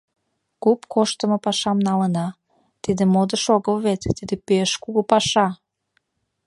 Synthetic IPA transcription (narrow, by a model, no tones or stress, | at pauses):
kupkʰoʃt̪əməpɑʃɑmnɑlənɑ | t̪id̪ĕmod̪əʃoɣəlvet̪t̪id̪epeeʃkuɡopɑʃɑ